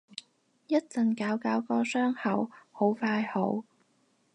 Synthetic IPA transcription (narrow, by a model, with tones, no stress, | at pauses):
jɐ˥t̚t͡sɐ˨˩nkaː˨˥wkaː˨˥wkɔː˧sœː˥ŋhɐ˨who˨˥wfaː˧jho˨˥w